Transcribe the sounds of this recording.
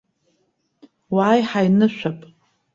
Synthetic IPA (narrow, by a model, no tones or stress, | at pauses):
waːjħajnɨʃᶣʷapʼ